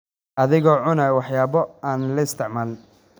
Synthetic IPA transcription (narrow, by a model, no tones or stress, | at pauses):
ʔɐðɪɣɔːʕʊnɐwɑħjaːβɔaːnlɐɪst̪ʰɪʕmaːl